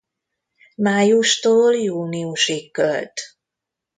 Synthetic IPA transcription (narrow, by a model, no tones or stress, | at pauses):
maːjuʃt̪oːljuːniuʃikːølt̪